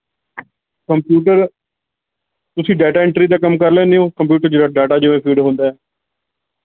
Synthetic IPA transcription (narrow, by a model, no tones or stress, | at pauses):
kəmpjuːʈəɾ | t̪ʊsĩːɖɛːʈaːɪɳʈəɾiːd̪aːkəmkəɾlɛ̃ːneõːkəmp̬juːʈəɾd͡ʒeɾaːɖaːʈaːd͡ʒəʋẽːpʰiːɖɦõːnd̪aːɛː